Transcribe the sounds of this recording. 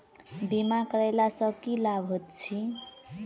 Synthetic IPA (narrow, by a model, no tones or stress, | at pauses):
bimakʌɾajlasʌkilabʱɦot̪̚t͡sʰi